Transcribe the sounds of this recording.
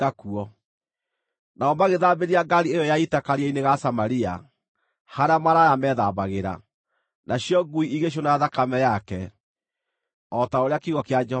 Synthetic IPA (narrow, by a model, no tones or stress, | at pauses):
akuɔ | naɔmaɣeðabeɾiaɡaɾiejɔjaitakaɾaineɣasamaɾia̰ | haɾamaɾajamɛðabaɣeɾa̰ | naɕjɔɡuiiɣeɕ̬onaaðakamɛjakɛ | ɔtaoɾeakiɣɔkead͡ʒɛh